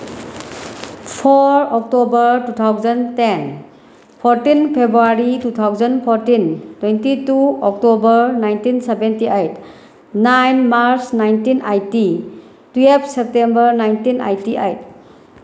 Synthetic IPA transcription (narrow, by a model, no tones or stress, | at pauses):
pʰɔɾɔk̚tobəɾtut̪ʰawzənten | pʰɔɾtinpʰebɾuaɾitutʰawzənpʰɔɾtintwentituɔk̚tobəɾnajntinsebentiajt | najnmaɾsnajntinʔajti | tuep̚ʰsep̚tembəɾnajntina̰jtiʔa̰jt̚